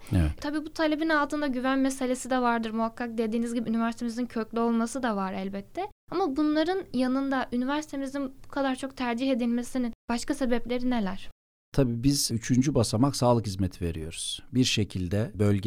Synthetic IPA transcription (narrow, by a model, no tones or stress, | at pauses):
ɛt̪t̪ʰabiːbut̪ʰalʲe̞binalˠt̪ɯnd̪aɟyvænmese̞lʲe̞sid̪ɛvaɾd̪ɯɾmuɦakːak̚d̪e̞d̪iːnizʲɟibiynivæɾsit̪ʰemizincʰøclʲyo̞lˠmasɯd̪avaɾælʲbɛt̪ʰːɛ | amabunlˠaɾɯnjanɯnd̪aʔynivæɾsi̥t̪ʰemizinbukʰad̪aɾt͡ʃʰo̞k̚t̪ʰæɾd͡ʒiɦe̞d̪ilʲme̞sinib̥aʃkase̞bɛplʲe̞ɾinelʲæɾ̥ | t̪ʰabiːbiz̥yt͡ʃʰynd͡ʒybasamaksaːlˠɯkhizmet̪ʰive̞ɾijo̞̰ɾuz̥biɾʃe̞cʰilʲd̪ɛbølʲɟɛ